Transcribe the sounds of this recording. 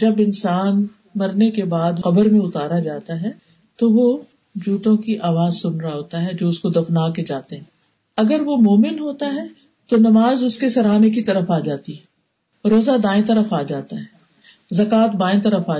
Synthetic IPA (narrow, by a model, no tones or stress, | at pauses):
d͡ʒɐbɪnsaːn | mɐɾnekebaːd̪qɐbəɾmẽʊt̪aːɾad͡ʒaːt̪aɦɛ | t̪oʋo | d͡ʒuːʈ̪õkiʔaːʋaːzsʊnɾaɦoːt̪aɦɛd͡ʒoːʊskod̪ɐfnaːked͡ʒaːt̪eɦɛ̃ː | ɐɡəɾʋomoːmɪnɦoːt̪aɦɛ | t̪onɐmaːzʊskesɐɾaːnek̬it̪ɐɾəfaːd͡ʒaːt̪iɦɛ | ɾoːzad̪aːɪ̃nt̪ɐɾəfaːd͡ʒaːt̪aɦɛː | zɐkaːt̪̚baːɪ̃nt̪ɐɾəfaː